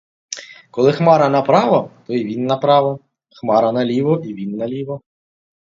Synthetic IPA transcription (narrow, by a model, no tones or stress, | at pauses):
kɔlˠɪxmɑɾɐnɐpɾɑʋɐt̪ɔiʋʲinːɐpɾɑʋɔ | xmɑɾɐnɐlʲiʋɔʔiʋʲinːɐlʲiʋɔ